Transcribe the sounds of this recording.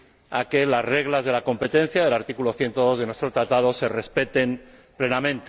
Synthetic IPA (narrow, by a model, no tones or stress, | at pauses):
ake̞lazre̞ɣlazð̞e̞lako̞mpe̞t̪e̞n̟θjaðe̞laɾt̪ikulo̞θje̞nt̪oðo̞zð̞enwe̞st̪ɾot̪ɾat̪að̞o̞se̞re̞spe̞t̪e̞m | ple̞namẽnt̪e